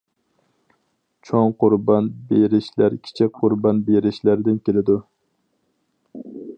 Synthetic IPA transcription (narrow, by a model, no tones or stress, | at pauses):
t͡ʃʰɑŋqʊɾbɑnbeɾɪʃlæɾkʲʰi̥t͡ʃʰɛqʰʊɾbɑnbeɾɪʃlæɾd̪ɪnkʲelɪd̪u